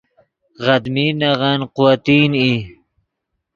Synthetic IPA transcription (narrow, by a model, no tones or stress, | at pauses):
ɣad̪minaʁanqʊwat̪ini